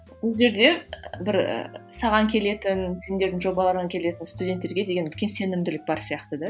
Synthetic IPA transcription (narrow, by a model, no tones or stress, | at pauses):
bʊlˠʒe̞ɾd̪e̞bɪɾ̰sɑʁɑŋkʲʰe̞le̞t̪ɪnse̞nd̪e̞ɾd̪ɪŋʒo̞bɑlˠɑɾəɴɑŋkʲʰe̞le̞t̪ɪnst̪ud̪ʲe̞nt̪ːe̞ɾɡʲe̞d̪eɡʲe̞nʏlkʲe̞nse̞nɪmd̪ɪlɪk̚bɑɾsijɑqt̪əd̪ɑ